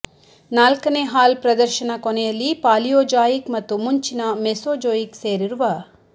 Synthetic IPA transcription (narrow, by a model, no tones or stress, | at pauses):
naːlkɐneːɦaːlpɾɐd̪ɐɾʃɐnɐkɔnɛjɐlːipaːlijoːd͡ʒaːjikmɐt̪ːumuɲt͡ʃinɐmesoːd͡ʒoːjikseːɾiɾuʋɐ